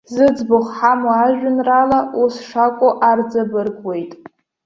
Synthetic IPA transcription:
zɨd͡zbʊχħamaaʒᶣʊnralaʔusʂakʷʼoʔard͡zabɨrɡwe̞jtʼ

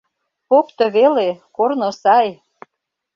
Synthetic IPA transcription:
pokt̪ɤ̆βelekornosɑj

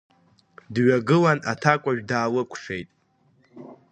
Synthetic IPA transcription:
dɥaɡɨlanatʰakʷʼaʒᶣdaːlɨkʷʰʂe̞̰jtʼ

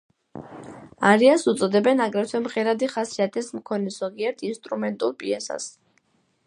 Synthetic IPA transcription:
aɾiasut̪sʼɔd̪ɛbɛnaɡɾɛt̪ʰwɛmʁɛɾad̪iχasiat̪ʰɛsmkʰɔnɛz̥ɔɡiɛɾt̪ʰinst̪ʼɾumɛnt̪ʼulˠpʼiɛsa̰s

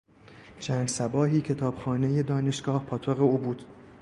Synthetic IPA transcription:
t͡ʃʰæːnd̪sæbɒːɦiːcʰe̞t̪ʰɒːb̥xɒːne̞je̞d̪ɒːne̞ʃɡ̥ɒːhpʰɒːt̪ʰoɣe̞uːbuːd̪̥

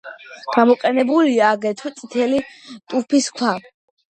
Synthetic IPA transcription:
ɡ̥amɔqʼɛnɛbuliaːɡɛt̪ʰwt̪sʼit̪ʰɛlit̪ʼupʰiskʰwa

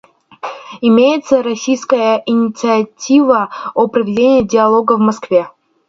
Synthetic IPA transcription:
ɪmʲejɪt̪səɾɐsʲijskəjəɪnʲɪt̪sɨɐtʲivəopɾəvʲɪdʲenʲɪjɪdʲɪɐlˠoɡəvmɐskvʲe̞

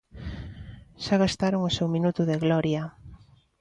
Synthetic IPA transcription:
ʃaɣ̞ast̪aɾoŋosewminut̪ʊðeɣlɔɾja

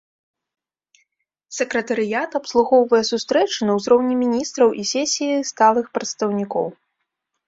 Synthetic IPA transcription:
sʲɛkɾɐt̪ɐɾɨjat̪ɐpslˠuɣɔwvɐjɛsust̪ɾɛt͡ʂɨnɐwzɾɔwnʲɛmʲinʲist̪ɾɐwʔisʲɛsʲijist̪alˠɨxpɾɐt̪st̪ɐwnʲikɔ̰w

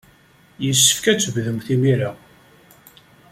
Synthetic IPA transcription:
jəsːə̥fkæt͡sːəvðəmθimiɾa

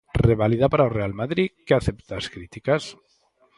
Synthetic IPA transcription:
reβaliðapaɾaorealmaðɾikeaθept̪askɾit̪ikas

